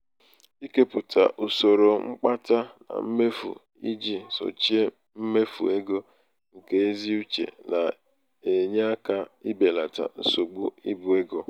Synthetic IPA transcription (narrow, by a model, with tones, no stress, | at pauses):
i˦ke˦pʊ˨tʰa̰˨ʔu˨so˨ɾo˨ŋ͡m̩˦k͡pa˦ta˦na̰˨m̩˦me˦fṵ˨ | i˦d͡ʒi˦˨so̰˨t͡ʃi˦e˦ | m̩˦me˦fṵ˨e˦ɡo˦ | ŋ̩˨ke˦e˦zi˦u˦t͡ʃḛ˨na˨ | e˨ɲe˦a˦ka˦i˦be˨la˨ta̰˨n̩˨so˨ɡ͡bu˦ḭ˦bu˨e˦ɡo˦